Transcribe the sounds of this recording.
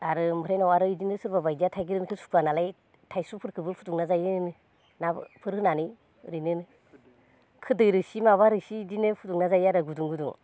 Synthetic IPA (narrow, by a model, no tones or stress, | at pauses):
aɾɯmɯɾajnawaɾɯidinɯsɯɾbabajdijatʰajɡiɾɯnkʰɯsu̥kʰanalaj | tʰajsupʰɯɾkʰɯbɯpʰutuŋnazajɯnɯ | napʰɯɾɯnanɯ | ɾinɯnɯ | kʰɯdɯjɾɯsimaβaɾɯsidinɯpʰutuŋnazajaɾɯɡuduŋɡɯduŋ